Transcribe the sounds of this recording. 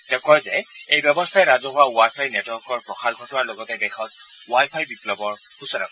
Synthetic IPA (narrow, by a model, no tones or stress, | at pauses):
tɛkɔjzɛejbjɔbɔstʰaɛɹazɔɦʊawajpʰajnetwɔɹkɔɹpɹɔxʰalɡʱɔtɔnaɹlɔɡɔtɛdɛxʰɔt̚ | wajpʰajbiplɔbɔɹ | husɔna̰k